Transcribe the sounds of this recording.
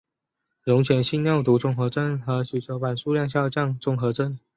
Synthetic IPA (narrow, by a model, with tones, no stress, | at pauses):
ɻʊ˧˥ŋt͡ɕʰɥɛ˧˥nɕi˥nnjo˥˩ʊt̪u˧˥ʈ͡ʂʊ˥˩ŋxɤ˧˥ʈ͡ʂə˥nxɤ˧˥ɕy˨˩ʈ͡ʂo˧˥pa˨˩nʂu˥˧ljɑ˥˧ŋɕjɑ˥˧ʊt͡ɕjɑ˥˧ŋʈ͡ʂʊ˥˩ŋxɤ˧˥ʈ͡ʂə˥n